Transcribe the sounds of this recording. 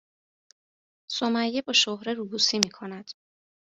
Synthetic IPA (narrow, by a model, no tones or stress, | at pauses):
somæjːebɒːʃohɾeɾuːbusiːmiːkʰonæd̪̥